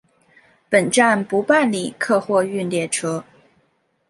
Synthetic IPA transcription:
pə˨˩nʈ͡ʂa˥˩npu˧˥pa˥˩nli˨˩kʰɤ˥˧xwɔ˥˧y˥˩nljɛ˥˩ʈ͡ʂʰɤ˥

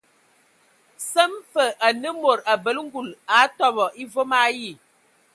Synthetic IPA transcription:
sə˦mfə˨ʔa˨nə˦mo˨ɾa˨bə˨lŋ̩˦ɡu˨la˨˦tɔ˦˨bɔ˨ʔi˦vo˦ma˨˦ji˦˨

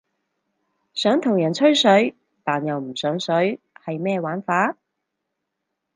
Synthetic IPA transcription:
sœː˨˥ŋt̪ʰʊ˨˩ŋjɐ˨˩nt͡ʃʰɵ˥ɥsɵ˨˥ɥ | t̪aː˨njɐ˨wm̩˨˩sœː˨˥ŋsɵ˨˥ɥ | hɐ˨jmɛː˥˧waː˨˥nfaː˨˥

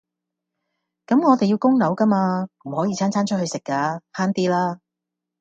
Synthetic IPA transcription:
kɐ˨˥mŋɔː˨˧t̪e˨ji˧wkʊ˥ŋnɐ˨˥wkɐ˥maː˧m̩˨˩hɔː˨˥jiː˨˧t͡sʰaː˥nt͡sʰaː˥nt͡ʃʰt̚hɵ˧sɪ˨kːaː˧haː˥nt̪iː˥laː˥

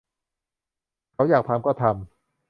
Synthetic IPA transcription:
kʰa˦˥wjaː˨˩k̚pʰaː˧mkɔː˥˩t̪ʰa˧m

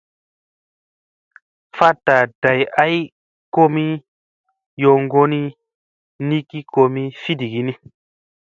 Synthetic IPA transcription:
fa˦tːa˨d̥a˨ja˦j | ko˦mi˦ | jo˨ŋɡo˦ni˦ | ni˦ki˦ko˧mi˦fi˦di˨ɡi˨ni˦

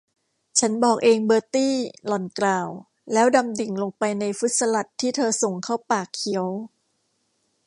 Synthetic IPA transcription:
t͡ɕʰa˦˥nbɔː˨˩k̚ʔeː˧ŋbɤː˧t̪iː˥˩lɔ˨˩nklaː˨˩w | lɛː˦˥wda˧mdi˨˩ŋlo˧ŋpa˧jna˧jfu˦˥t̪̚sa˧la˨˩t̪ʰːiː˥˩t̪ʰɤː˧so˨˩ŋkʰa˥˩wpaː˨˩kʰːi˩˦əw

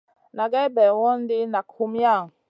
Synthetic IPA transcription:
na˨ɡɛ˦bɛ˨wɔ˦n˦di˦na˨kʰu˦mja˦˨ŋ

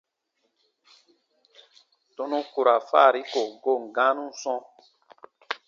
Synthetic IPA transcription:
to˦nũ˦ku˨ɾa˨fa̰˦˨ɾi˦ko˨ɡo˦˨ŋ̩˨ɡã˦nũ˦sɔ̃˦

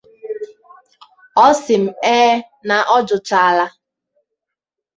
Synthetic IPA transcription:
ɔ˦sɪ˨m̩˨ɛː˦ | na˨ʔɔ˦d͡ʒʊ˨t͡ʃa˨a˨la˦

